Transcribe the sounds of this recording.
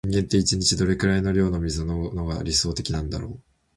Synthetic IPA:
ŋɡẽ̞nt̪e̞it͡ɕiɲ̟it͡ɕid̪o̞ɾe̞kɯ̟ɾaino̞ɾʲo̞ːnomʲizɨnono̞ɡa̰ɾʲiso̞ːt̪e̞kʲinãnd̪a̰ɾo̞ː

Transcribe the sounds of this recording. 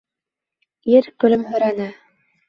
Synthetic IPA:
iɾkɵ̆lɘmɦɵ̆ɾænɘ

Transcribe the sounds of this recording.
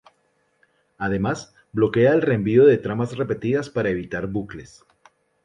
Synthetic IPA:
að̞e̞mas | blo̞ke̞aelre̞mbio̞ðe̞t̪ɾamasre̞pe̞t̪iðaspaɾaeβit̪aɾbukle̞s

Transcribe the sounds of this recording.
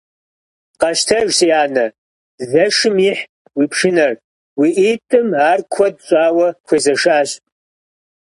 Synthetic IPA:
qɐʃtʰɐʒsiaːnɐ | zɐʂɨmiħ | wiːpʰʂɨnɐr | wiʔiːtʼɨmaːrkʷʰɔd̚ɕʼaːwɐkʷʰezɐʂaːɕʼ

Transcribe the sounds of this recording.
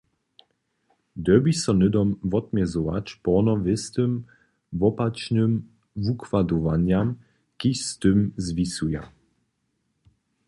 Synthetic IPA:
d̪ɛbisɔnɘd̪ɔmvɔt̪mʲjɛzɔva̰t͡ɕpɔnɔvɪst̪ɘm | vɔpat͡ʃnɘm | vukvad̪ɔvaɲam | kiʃst̪ɘmzvʲisuja̰

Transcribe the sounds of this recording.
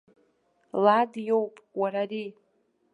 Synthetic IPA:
ladjowpʼwaɾari

